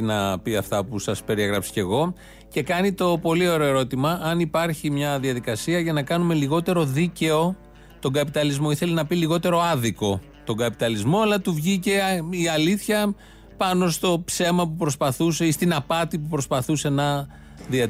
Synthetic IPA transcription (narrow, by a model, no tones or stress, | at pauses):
nɐpiɐft̪ɐpusɐspe̞ɾieɣɾɐpso̥ce̞ɣo̞ | ce̞kɐnit̪o̞po̞lio̞ɾo̞e̞ɾo̞t̪imɐʔɐnipɐɾçimɲɐðiɐðikɐsiɐʝɐnɐkɐnume̞liɣo̞t̪e̞ɾo̞ðice̞o̞ | t̪o̞ŋɡɐpit̪ɐlizmo̞iθe̞lenɐpiliɣo̞t̪e̞ɾo̞ɐðiko̞ | t̪o̞ŋɡɐpit̪ɐlizmo̞ɐlɐt̪uvʝice̞iɐliθçɐ | pɐno̞st̪o̞pse̞mɐpupɾo̞spɐθuseist̪inɐpɐt̪ipupɾo̞spɐθuse̞nɐ | ðiɐ